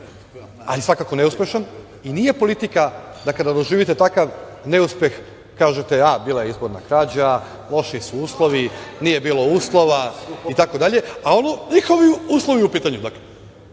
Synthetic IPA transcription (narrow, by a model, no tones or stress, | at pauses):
a̰lisʋakako̞neuspʲje̞ʃan | inije̞po̞lit̪ikad̪akad̪ad̪o̞ʒiːʋit̪et̪akaʋne̞uspʲje̞x | kaːʒet̪eabiːlajeizbo̞ɾnakɾaːd͡ʑa | lˠo̞ʃisuuːslˠo̞ʋinije̞biːlˠo̞uːslˠo̞ʋait̪ako̞d̪aʎe̞ao̞noɲixo̞ʋiuːslˠo̞ʋiupiːt̪aɲud̪akle